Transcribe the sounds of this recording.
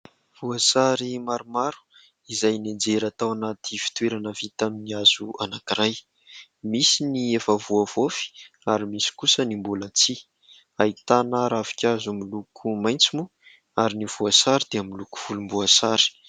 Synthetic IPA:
v̥uasaɾimaɾumaɾu̥ | izajnend͡zeɾat̪awanat̪ʰifi̥t̪weɾanəvit̪aminiaz̥uanakiɾaj | misiniefəvuavofi̥ | aɾimisi̥kusənimbulat͡si | ait̪anaɾavi̥kʲazumilukʰumajnt͡simu | aɾinivuasaɾid̪̥eamiluku̥v̥ulumbuasaɾi̥

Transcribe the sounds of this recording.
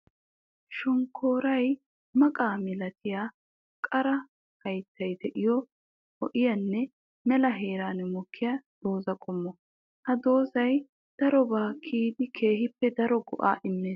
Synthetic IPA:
ʃʊŋkʰːoːɾɐj | mɐkʼaːmɪlɐt̪ʰɪjaː | kʼɐɾɐ | hɐjt̪ʰːɐjd̪ɛʔɪjɔ | hɔʔɪjɐnːɛ | mɛlɐɦe̞ːɾaːnmɔkʰːɪjad̪̥o̞ːzɐkʼʊmːɔ | hɐd̪o̞ːzɐj | d̪̥ɐɾɔbaːkʰiːd̪ɪkʰe̞ːhɪpːɛd̪ɐɾɔɡɔʔa̰ːʔɪmːeːs

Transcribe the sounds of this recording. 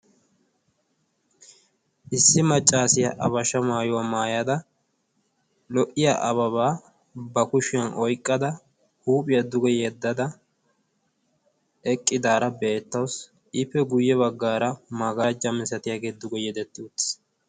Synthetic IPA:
ʔɪsːɪmɐt͡ʃʼːaːsɪjɐʔɐβɐʃɐmaːjʊwɐmaːjɐd̪ɐ | lɔʔɪjɐʔɐβɐβaː | bɐkʊʃɪjɐnʔɔjkʼːɐd̪ɐ | huːpʼɪjɐd̪ʊɡɛjɛd̪ːɐd̪ɐ | ɛkʼːɪd̪aːɾɐbe̞ːt̪ːɐws | ʔɪpːɛɡʊjːɛβɐɡːaːɾɐmaɡaːd͡ʒɐmɪsɐt̪ɪjaɡeːd̪ʊɡɛjɛd̪ɛt̪ːɪʊt̪ːɪ̥

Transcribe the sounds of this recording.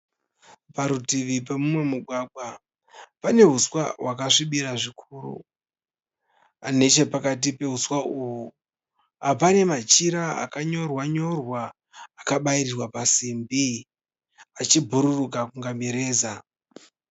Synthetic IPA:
paɾutiʋipemumwe̞muɡʱwaɡʱwa | pane̞ɦuswa̰wakaʂiɓiɾaʐikʰuːrṵ | ane̞t͡ʃe̞pakat̬ipe̞ɦuswauwu | ɦapane̞mat͡ʃiɾaa̰kaɲo̞rwaɲo̞rwaː | kaɓaiɾirwapasimbi | at͡ʃibʱuɾurukakuŋɡamiɾe̞ːza

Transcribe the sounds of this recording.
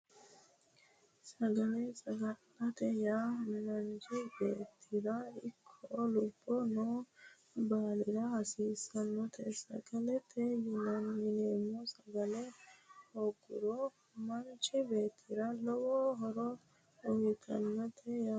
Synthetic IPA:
sɐɡɐnɛsʼɐɡɐnːɐt̪ɛjaːmɪnɐnt͡ʃɪbeːt̪ʰːɪɾɐɪkʰːɔlʊbːɔnoː | baːlɪɾɐhɐsiːsɐnːɔt̪ʰɛsɐ̰ɡɐlɛt̪ʰːɛjɪnɐnmɪneːmːɔsɐɡɐlɛhoɡːʊɾɔ | mɐnt͡ʃɪbe̞ːt̪ʰːɪɾɐlɔwɔɦɔɾɔ | ɔjɪt̪ʰɐnːɔt̪ʰɛjaː

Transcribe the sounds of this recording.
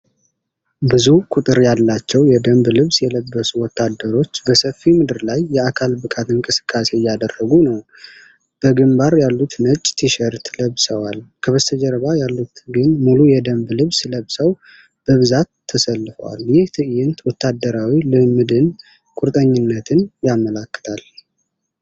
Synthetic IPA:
bɨzukʼut̪ʼɨɾjalːat͡ʃːɛwjɛd̪əmblɨβsjɛləbːəsuwɔt̪ʰːad̪ːəɾo̞t͡ʃːbəsəfːimɨd̪ɨɾlajːɛakʰalbɨkʼat̪ɨŋkʼɨsɨ̥kʰʼːase̞jːad̪ərːəɡunəw | b̥əɡɨmbaɾjalːut̪nət͡ʃʼːt̪ʰiʃəɾt̪ləβsəwalkʰəβəst̪ʰəd͡ʒɛɾəβajalːut̪ɡɨnmulujɛd̪əmblɨβsləβsəw | b̥əβɨzat̪ʰːəsəlːɨfə̰wa̰ljɪht̪ʰɨʔjɪnt̪wɔt̪ʰːad̪ːəɾawilɨmɨd̪ɨn | kʼuɾt̪ʼəɲːɪnːət̪ʰɨnjamːəlakːə̥t̪ʰal

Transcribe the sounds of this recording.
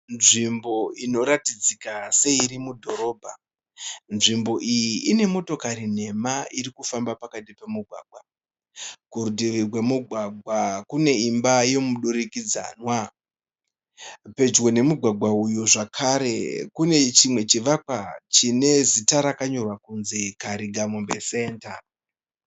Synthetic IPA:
nʐimbo̞ino̞ɾatid͡zikase̞iɾimudʱo̞ɾo̞ːbʱa | nʐimbo̞ʔijiʔːne̞mo̞to̞kaɾin̤e̞maiɾikufambapakatipemuɡʱwa̰ːɡ̚ʱwa | kuɾudʱiʋirwe̞muɡʱwaɡʱwakune̞imbajomuɗuɾikid͡za̰nwa | pe̞d͡ʒwo̞ne̞muɡʱwaɡʱwaujuʐakʰaɾe̞̰kune̞t͡ʃimwe̞t͡ʃiʋak̚wat͡ʃine̞zitaɾakaɲo̞rwakunzikaɾiɡʱamombese̞ːnta

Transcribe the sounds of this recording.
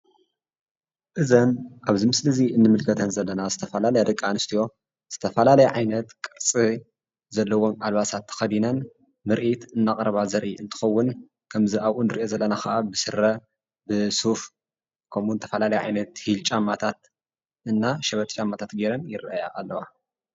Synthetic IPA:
ʔɨzɐnʔaβzimɨslɨziɨnːɨmɨlkʰɐt̪ʰɐnzɐlːɐnazɨt̪ʰɐfɐlalɐjad̪ɐkʼːanɨst̪ʰijo̞ | z̥ɨ̥t̪ʰɐfɐlalɐjʕajnɐt̪kʼɨɾt͡sʼi | zɐlːɐwo̞malβasat̪ʰːɐ̥xɐd̪inɐn | mɨɾʔit̪ɨnːakʼɾɐβazɐɾʔiʔɨnt̪ʰɨ̥xɐwːʊn | kʰɐmzɨʔaβʔunɨɾijo̞zɐlːɐnaxɐʔabɨsɨɾɐ | bɨsuf | kʰɐmunɨt̪ʰɐfɐlalɐjʕa̰jnɐt̪hilt͡ʃʼamːat̪ʰat̪ | ʔɨnːaʃɐβɐt̪ʼt͡ʃʼamːat̪ʰat̪ɡeɾɐnjɪɾaja̰ʔːlːɐwa

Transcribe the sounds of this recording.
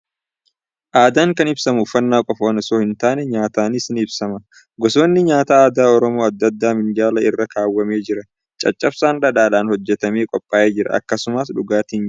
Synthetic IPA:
ʔaːd̪aːŋkɐnɪbsɐmʊfɐnːaːkʼɔfɐwɐnɪso̞ːhɪnt̪aːnɛɲaːt̪aːnɪsɪnɪbsɐmɐ | ɡɔso̞ːnːɪɲaːt̪aːaːd̪aːɔɾɔmo̞ːɐd̪ːɐd̪ːaːmɪnd͡ʒaːlɐɪrːɐkaːwːɐme̞ːd͡ʒɪɾɐ | t͡ʃʼɐt͡ʃʼːɐbsaːnɗɐᶑaːlaːnhɔd͡ʒːɛt̪ɐme̞ːkʼɔpʼːaːʔeːd͡ʒɪɾɐ̰ʔɐ̰kːɐsʊmɐsᶑʊɡaːt̪iːn

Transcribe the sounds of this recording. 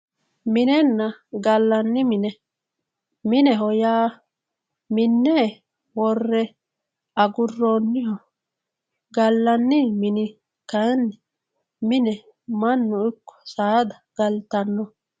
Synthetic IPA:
mɪnɛnːɐɡɐlːɐnːɪmɪnɛ | mɪnɛɦɔjaː | mɪnːɛː | wɔrːɛ | ɐɡʊrːonːɪhɔ | ɡɐlːɐnːɪmɪnɪ | kɐjnːɪ | mɪnɛ | mɐnːʊɪkːɔ̥saːd̪ɐɡ̥ɐlt̪ɐnːɔ

